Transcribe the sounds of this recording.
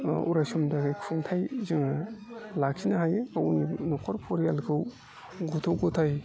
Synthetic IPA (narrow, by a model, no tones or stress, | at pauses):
ṵɾajsɔmdaɡajkʰuŋtʰajzɯŋalakʰinaɦajawninɔkʰɔɾpʰɔɾijalkʰɯw | ɡɔtʰɔwɡɔtʰaj